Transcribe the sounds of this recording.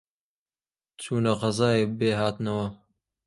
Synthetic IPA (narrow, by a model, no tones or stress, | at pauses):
t͡ʃʰuːnɐqɐzaːeːbeːɦaːt̪nɐwɐ